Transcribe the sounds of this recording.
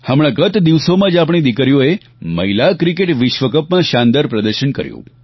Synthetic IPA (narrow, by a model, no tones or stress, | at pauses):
həmɭ̃ãɡət̪d̪iʋsomãd͡ʒap̬ɳ̃ed̪ikəɾjoe | mə̰ɦilakɾikeʈʋɪʃʋəkəpmãʃãnd̪əɾpɾəd̪əɾʃənkə̰ɾjṵ̃